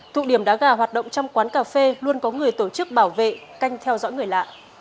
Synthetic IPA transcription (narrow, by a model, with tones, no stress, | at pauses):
t̪ʰṵ˧˨ɗi˧˩əmɗa̰ː˧˥ɣaː˧˩ɦwaː˨˩t̚ɗə̰˧˨wŋ͡mt͡ɕɔ˧wŋ͡mkwaː˨˦nkaː˧˩fe˧lwu˧ənkɔ˨˦ŋɨ˨˩əjt̪o˧˩t͡ɕɨ˦˥k̚ɓaː˧˩wvḛ˧˨ka˧jŋ̟t̪ʰɛ˧wzɔ̰˧˥jŋɨ˨˩əjla̰ː˧˨ʔ